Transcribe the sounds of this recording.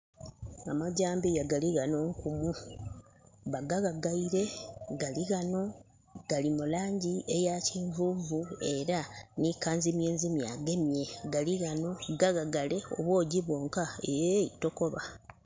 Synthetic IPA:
amaɟaːmbijaɡaliɣano̞ŋkumu | βaɡaɣaɡaiɾe̞ɡaliɣano̞ | ɡ̥alimulaːɲɟiejaciːɱvuvue̞ɾanikaːnzimjeːnzimjaɡe̞mje̞ɡaliɣano̞ɡaɣaɡale̞o̞̰βwo̞ːɟiβo̞ːŋkaejeito̞ko̞βa

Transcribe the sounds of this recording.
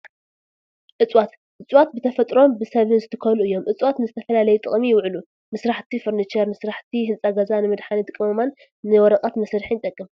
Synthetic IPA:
ʔɨt͡sʼwat̪ | ʔɨt͡sʼwat̪̚bɨt̪ʰɐfɐt̪ʼɾo̞mbɨsɐβɨnzɨt̪ʰɨkʰɐluɨjːo̞mʔɨt͡sʼwat̪nɨzɨt̪ʰɐfɐlalɐjut̪ʼɨχʼmijɪwʕɨlu | mɨsɾaħt̪ʰifɨɾnit͡ʃɐɾmɨsɾaħt̪ʰiɦɨnt͡sʼaɡɐzanɨmɨd̪ħanit̪ʰʼɨkʼːɨmɐmanː | ɨwɔɾɐqʼat̪mɐsɾħinɨt̪ʼɐkʼːɨm

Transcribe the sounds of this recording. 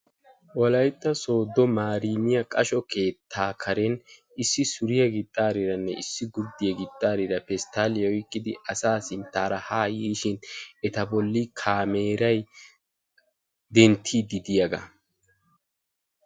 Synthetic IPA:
wɔlɐjt̪ʼːɐso̞ːd̪ɔmaːɾiːnɪjɐkʼɐʃɔke̞ːt̪ʰːaːkʰɐɾɛn | ɪsːɪsʊɾɪjɐɡɪt̪ʼːaːɾɪɾɐnːɛɪsːɪɡʊɾd̪ːɪjɐɡɪt̪ʼːaːɾɪɾɐpɛst̪aːlɪjɔɪkʼːɪd̪ɪ̰ʔɐsaːsɪnt̪ːaːɾɐhaːjiːʃɪnɛt̪ɐbɔlːɪkʰaːme̞ːɾɐj | d̪ɛnt̪ʰːid̪ɪd̪ɪjɐɡɐ̰

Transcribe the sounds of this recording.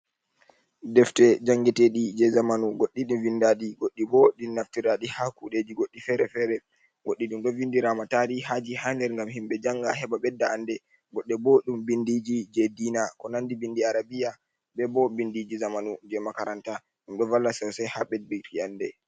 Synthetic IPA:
dɛftɛd͡ʒaŋɡɛtɛɗid͡ʒɛzamanuɡoɗːiɗumvindaɗiɡoɗːibɔɗinnaftiɾaɗihakuɗed͡ʒiɡoɗːifɛɾɛfɛːɾɛ | ɡoɗːiɗumɓɛvindiɾamataɾihad͡ʒihandɛɾŋɡamhimɓɛd͡ʒaŋɡahɛɓaɓɛdːaandɛ | ɡɔɗːɛbɔɗumbindid͡ʒid͡ʒɛdiːnakɔnandibindiaɾabija | ɓɛbɔbindid͡ʒizamanud͡ʒɛmakaɾanta | ɗumɓɛvalːasɛɾsɛhaɓɛd̚bitiandɛ

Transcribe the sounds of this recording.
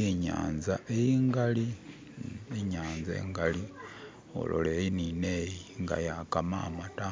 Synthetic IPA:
iɲa̰ːnzaʔejiːŋɡali | iɲaːnzḛŋɡali | o̰lo̰leːjininejiŋɡa̰jakama̰ːmata

